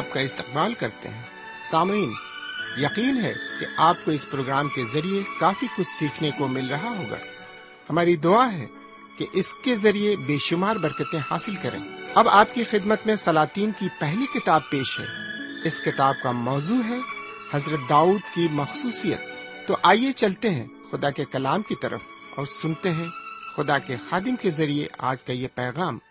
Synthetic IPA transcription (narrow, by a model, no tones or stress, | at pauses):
ap̚kaɪst̪ɪ̥q̚baːlkɐɾt̪ḛɦɛ̃ː | saːmiːn | jɐqiːnɦɛ̰keaːp̚koɪspɾoːɡɾaːmkezɐɾiekaːfikʊt͡ʃʰsiːkʰnekomɪlɾɐɦaɦoːɡa̰ː | hɐmaːɾid̪ʊaɦɛ̰ | keʔɪskezɐɾiebeːʃʊmaːɾbɐɾkət̪ẽhaːsɪlkɐɾʔḛ̃ːɐbaːp̚kixɪd̪mət̪mẽsɐlaːt̪iːnkipɛɦlikɪt̪aːb̚peːʃɦɛ̰ | ɪskɪt̪aːb̚kamɔːzuːɦɛ | hɐzɾət̪̚d̪aːuːd̪kimɐxsuːsijə̰t̪ː | oʔaːijet͡ʃɐlt̪eɦɛ̃ | xʊd̪akekɐlaːmkit̪ɐɾə̰f | ɔ̰ːɾsʊnt̪eɦɛ̃xʊd̪akexaːd̪ɪmkezɐɾiḛʔa̰ːd͡ʒkajepɛːɣaːm